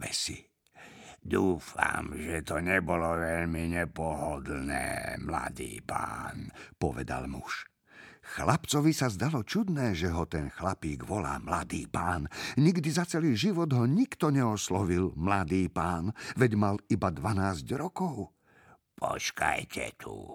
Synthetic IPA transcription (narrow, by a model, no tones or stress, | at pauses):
ʋɛsḭ | d̪uːfa̰mʒɛt̪ɔɲɛbɔlɔʋɛʎmiɲɛpɔɦɔd̪nɛ̰ːmla̰d̪iːpaːnpɔ̰ʋɛ̰d̪a̰lmuʃ | xlapt͡sɔʋisazd̪alɔt͡ʃud̪nɛːʒɛɦɔt̪ɛnxlapiːɡʋɔla̰ːmlad̪iːpaːnɲiɡd̪izat͡sɛliːʒiʋɔd̪ɦɔɲikt̪ɔɲɛɔslɔʋilmlad̪iːpaːnʋɛɟmalibad̪ʋanaːzɟɾɔkɔʊ | pʰɔ̰t͡ʃka̰jcʰɛ̰t̪ʰu